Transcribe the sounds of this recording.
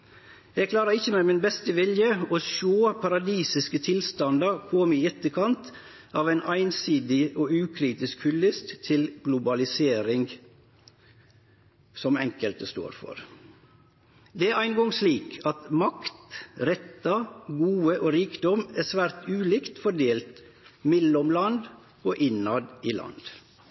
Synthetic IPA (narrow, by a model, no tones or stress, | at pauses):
jɛɡkʰlɑːɾəɾɪçəmɛmɪnbɛst̪əʋɪljəoːʃoːpʰɑɾɑd̪iːsɪskət̪ʰɪlst̪ɑnd̪əɾkʰɔmiːɛt̪ːəkʰɑnt̪ | ɑːʋæɪnʔæɪnsiːd̪ɪoːʉːkʰɾiːt̪ɪskhʉlːɪst̪t̪ʰɪlɡ̥lʊbɑlɪseːɾɪŋ | sɔmɛŋkəlt̪əst̪o̰ːɾfɔ̰ɾ | d̪ɛææɪnɡɔŋsliːkʰɑt̪mɑkt̪ɾɛt̪ːɑɡuːəʔoːɾiːkd̪ɔmæsʋæːɾt̪ʉːliːkt̪fɔɖeːlt̪ | mɛlɔmlɑnd̪ | oːʔɪnɑd̪iːlɑ̰nd̪̥